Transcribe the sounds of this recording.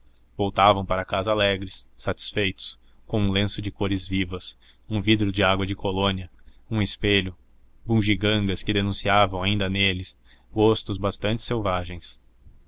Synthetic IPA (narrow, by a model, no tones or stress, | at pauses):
vowt̪avɐ̃w̃paɾɐkazɐalɛɡɾɪsːat͡ʃi̥sfejt̪ʊ̥s | kõũlẽsʊd͡ʒɪkoɾɪzvivɐs | ũvid̪ɾʊd͡ʒɪaɡwɐd͡ʒɪkolõniɐũɪspeʎʊ | bũʒiɡɐ̃ŋɡɐskɪd̪enũsiavɐ̃w̃aĩnd̪ɐnelɪs | ɡost̪ʊzbast̪ɐ̃nt͡ʃɪ̥sewvaʒẽj̃s